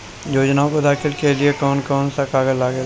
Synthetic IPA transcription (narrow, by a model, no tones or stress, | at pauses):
joːd͡ʒnaːõkod̪aːkʰɪlkeliekɔːnkɔːnsakaːɡəzlaːɡe